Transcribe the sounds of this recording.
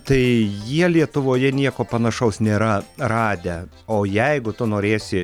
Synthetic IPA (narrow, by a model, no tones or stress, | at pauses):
t̪ɐɪjiɛlʲiɛt̪ʊʋoːjɛnʲiɛkoːpɐnɐʃɐʊsnʲeːɾɐrɑːd̪ʲɛ | oːjɛɪɡʊt̪ʊnoːɾʲeːsʲɪ